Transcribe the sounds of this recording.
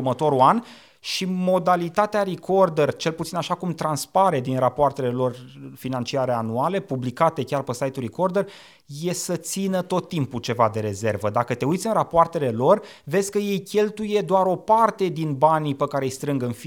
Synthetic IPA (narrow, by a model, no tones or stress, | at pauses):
mət̪o̞ɾuan | ʃimo̞d̪alit̪at̪eaɾiko̞rd̪ert͡ʃe̞lput̪sinaʃakumt̪ɾanspaɾe̞d̪inrapoart̪e̞le̞lo̞rfinant͡ʃiaɾe̞anuale̞publikat̪e̞kʲarpəsajt̪urɾikord̪er | je̞sət̪sinət̪o̞t̪ːimput͡ʃe̞vad̪e̞ɾe̞ze̞rvəd̪akət̪e̞ujt̪sʲɨnrapoart̪e̞le̞lo̞r | ve̞zʲkəje̞jkʲe̞lt̪uje̞d̪oaɾo̞part̪e̞d̪inbanipəkaɾe̞jst̪ɾɨŋɡɨnfi